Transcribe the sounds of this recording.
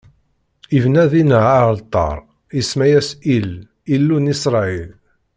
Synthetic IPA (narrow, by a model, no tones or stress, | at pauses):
ivnæðinəʕalt̪ˤːɑ̰ɾˤ | ismæjæsil | ilːunisɾˤɑil